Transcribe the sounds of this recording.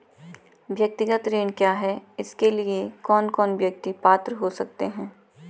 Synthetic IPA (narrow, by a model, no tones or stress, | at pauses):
ʋjɐk̚t̪ɪɡət̪ɾeːnkjaːɦɛɪskeliekɔːnkɔːnʋjɐk̚t̪ipaːt̪ɾɦosɐk̚t̪eɦɛ̃ː